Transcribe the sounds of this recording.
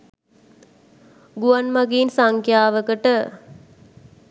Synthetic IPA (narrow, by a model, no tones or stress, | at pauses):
ɡuanmaɡeːnsaŋkʰjaːʋəkəʈə